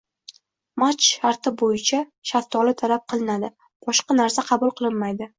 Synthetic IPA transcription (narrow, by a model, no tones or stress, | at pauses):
mat͡ʃʃaɾt̪ʰɪbojɪt͡ʃʰaʃaft̪ʰɒlɪt̪ʰalap̚qʰɨlˠɪnad̪ɪ | b̥ɒʃqɑnaɾsaqʰɑbʊlˠqʰɨlˠɪnmajd̪ɪ